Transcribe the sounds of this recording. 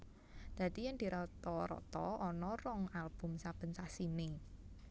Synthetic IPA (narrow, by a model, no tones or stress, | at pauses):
d̪̥ä̤t̪ijaŋd̪̥i̤ɾɔt̪ɔɾɔ̰t̪ɔɔnɔrɔŋalb̥ṳmsab̥ə̤nsasine